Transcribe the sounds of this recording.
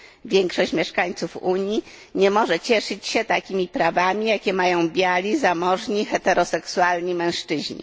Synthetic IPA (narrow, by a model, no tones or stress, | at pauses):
vʲjɛŋkʂɔɕt͡ɕmʲjɛʂkaɲt̪sufuɲiɲɛmɔʐɛt͡ɕɛʂɘt͡ɕɕɛt̪akʲimʲipɾavamʲijakʲɛmajɔ̃w̃bʲjalʲizamɔʐɲixɛt̪ɛɾɔsɛksualɲimɛ̃w̃ʂt͡ʂɘʑɲḭ